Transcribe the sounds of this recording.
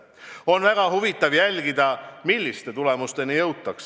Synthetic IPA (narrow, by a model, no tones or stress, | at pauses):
o̞nvæɡ̥ɑɦuvit̪ːˑɑvjælʲɡ̥id̪̥ɑmilʲːist̪e̞t̪ule̞must̪e̞nijɤwt̪ːˑɑks